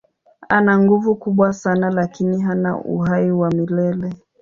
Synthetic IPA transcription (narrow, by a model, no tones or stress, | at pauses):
anaŋɡuvukuɓwasanalakiniɦana̰ʔṵɦaiwamilɛlɛ